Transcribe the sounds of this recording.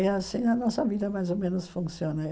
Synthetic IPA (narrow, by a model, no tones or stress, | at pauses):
ɐsĩɐnɔsɐviðɐmajzomẽnʊsfũsionɐ